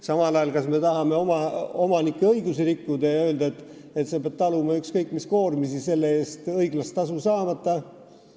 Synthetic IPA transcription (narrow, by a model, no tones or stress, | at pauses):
sɑmɑlɑjɑlkɑsme̞t̪ɑɦɑme̞o̞mɑo̞mɑnikːeɤiɡusiɾikːud̪ɑjɑø̞ːld̪ɑet̪ːˑ | et̪se̞peb̥̚t̪ɑlumɑykskɤjkːˑmisko̞ːrmisise̞lːe̞e̞ːst̪ɤjɡ̥lɑst̪ːɑsusɑːmɑt̪ːˑɑ